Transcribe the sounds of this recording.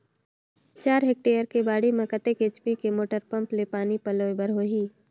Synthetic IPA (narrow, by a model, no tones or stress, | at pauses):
t͡ʃaːɾɦek̚ʈeːjəɾkebaːɽimẽkət̪ekeːt͡ʃpikemoːʈəɾpɐ̃mplepaːnipɐloːebəɾɦoːɦiː